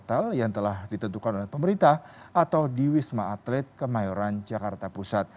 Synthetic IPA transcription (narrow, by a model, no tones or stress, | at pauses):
t̪aljaŋt̪əlahdit̪ənt̪ukanolɛhpəməɾint̪ahat̪awdiwismaːt̪lɛt̪̚kəmajoɾand͡ʒakart̪apusat̪̚